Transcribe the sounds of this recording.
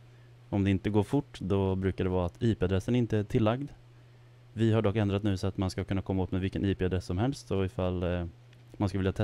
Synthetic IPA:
ɔmd̪ɛɪnt̪əɡoːɾfʊʈːd̪ɔbɾʉ̟ːkaɖɛvɑːat̪ʰiːpeːad̪ɾɛsːənæɾɪnt̪əæʈʰɪlːaɡd̪ | vɪɦaɖɔkːɛnd̪ɾat̪nʉ̟ːsɔat̪manskakʰɵnːakʰɔmːaoːt̪mɛvɪlkːəniːpeːad̪ɾɛsːɔmhɛlst̪ɔɪfalː | mansklvɪljat̪ʰɛ

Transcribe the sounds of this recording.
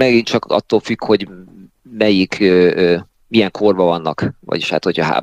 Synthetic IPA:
mɛɡint͡ʃɒkɒ̰t̪ːolfykho̞ɟ | mɛjikʰøːøː | mijɛŋkʰo̞rbɒvɒnːɒkvɒ̰ɟiʃha̰ːt̪ho̞cʰɒɦa̰ː

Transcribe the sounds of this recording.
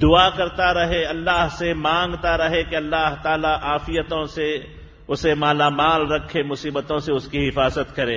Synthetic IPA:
d̪ʊakɐɾt̪aɾɐɦeɐlːaːɦsemãːŋɡt̪aɾɐɦekeɐlːaːɦt̪aːlaʔaːfɪjət̪õse | ʊsemaːlamaːlɾɐkʰːemʊsiːbət̪õseʊskiɦɪfaːzət̪kɐɾẽː

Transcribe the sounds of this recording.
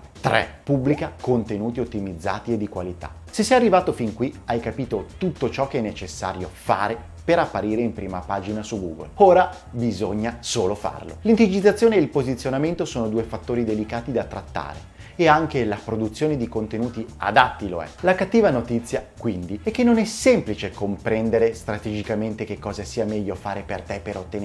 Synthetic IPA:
t̪ɾʔɛ̰pubːlikakont̪enuːt̪iot̪ːimid̪zːa̰ːt̪ied̪ːikwalit̪a̰ | sesːɛjarːivaːt̪ofiŋkwiajkapiːt̪ot̪ut̪ːot͡ʃɔk̟ːeɛnːet͡ʃesːa̰ːɾjofa̰ːɾe | peɾapːaɾiːɾeimpɾiːma̰paːd͡ʒinasuɡṵːɡo̰loːɾa | bizoɲːasoːlofa̰rlo̰lint̪id͡ʒit̪ːat̪sːjoːneeilpozit̪sːjonament̪osoːnod̪uːefat̪ːoːɾid̪elikaːt̪id̪at̪ɾat̪ːa̰ːɾḛ | eaŋkelapɾod̪ut̪sːjoːned̪ikont̪enuːt̪ia̰d̪at̪ːiloɛ̰lakat̪ːiːvanot̪it̪sːjakwind̪iɛkːenːonɛsɛmplit͡ʃekompɾɛnd̪eɾest̪ɾat̪ed͡ʒikament̪ekekːɔːzasiːamɛʎːofaːɾepert̪epːeɾot̪ːen

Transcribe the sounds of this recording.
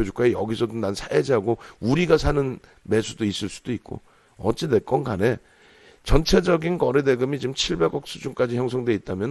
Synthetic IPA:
ʌd͡ʑuk͈aijʌɡisʰʌdonansʰaed͡ʑiɦaɡouɾiɡasʰanɯn | me̞sʰudois͈ɯɭs͈u̥d̥oik̚k͈o̰ | ʌ̰t͡ɕ͈ine̞k͈ʌnɡane̞ | t͡ɕʌnt͡ɕʰe̞d͡ʑʌɡinkʌɾe̞de̞ɡɯmit͡ɕimt͡ɕʰiɭbe̞ɡʌk̚s͈ud͡ʑuŋk͈ad͡ʑiçjʌŋsʰʌŋdwe̞it̚t͈amjʌn

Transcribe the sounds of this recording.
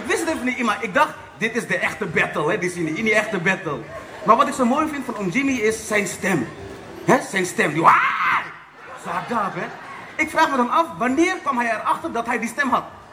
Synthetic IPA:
ɪkʋɪsətənfɔniimaɪk̚dɑχt | dɪtɪsdəɛxtəbɛtəlˠɦɛdɪsiniiniɛxtəbɛtəlˠ | marʋɑtɪksowmoːjfɪntfɔnomd͡ʒimiɪsːɛjnstɛm | ɦɛsɛjnstɛmdiaj | soadaːtʋɛt | ɪkfraːχmɛthəmɑfʋanɪːərkɔmɦɛjɛrɑxtərdɑtɦɛjdistɛmɦɑt̚

